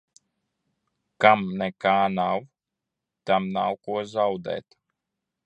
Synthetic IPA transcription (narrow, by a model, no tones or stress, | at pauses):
kamnɛkaːnaw | t̪amnawkuɔzawd̪ɛ̰ːt̪